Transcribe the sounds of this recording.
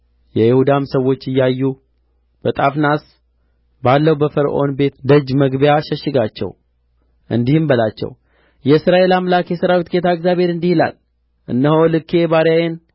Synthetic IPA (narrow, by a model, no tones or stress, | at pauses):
jɛjɪhud̪amsəwo̞t͡ʃːɨjːajːu | b̥ət̪ʼafnas | balːəwbəfəɾʔo̞nbe̞t̪d̪əd͡ʒməɡbjaʃəʃɪɡat͡ʃːɛ̰w | ʔɨ̰nd̪ihɨmbəlat͡ʃːɛ̰w | jɛɨsɾaʔe̞lamlakjɛsɨɾawit̪ket̪ʰaɨɡzjabhe̞ɾɨnd̪ihila̰l | ʔɨ̰nːəholɨkʰːe̞baɾjajen